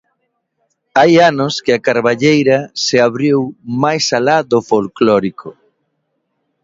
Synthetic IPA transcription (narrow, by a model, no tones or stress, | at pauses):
ajanʊskɪakaɾβaʎejɾɐseaβɾiwmajsalaðofolklɔɾikʰo